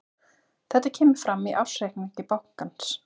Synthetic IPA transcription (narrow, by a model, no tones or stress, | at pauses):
θɛht̪ːacʰɛːmɪɾ̥fɾamiʔafsejkniɲc̪ɪpawhkans